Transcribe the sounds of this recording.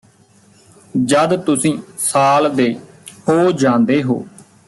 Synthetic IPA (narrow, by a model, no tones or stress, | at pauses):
d͡ʒəd̪t̪ʊsĩːsaːld̪eː | hoːd͡ʒãːnd̪eːɦo̰ː